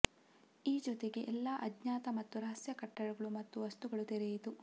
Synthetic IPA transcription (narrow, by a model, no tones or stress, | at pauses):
iːd͡ʒɔt̪eɡe̞ʔɛlːaːʔɐdɲaːt̪ɐmɐt̪ːuɾɐɦɐsjɐkɐʈːɐɾuɡɐɭumɐt̪ːuʋɐst̪uɡɐɭut̪eɾejit̪u